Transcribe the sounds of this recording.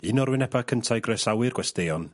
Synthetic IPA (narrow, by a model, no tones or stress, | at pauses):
ɨnɔrwɪnɛbakʰəntʰajɡrɔjsawɨrɡwɛstejɔn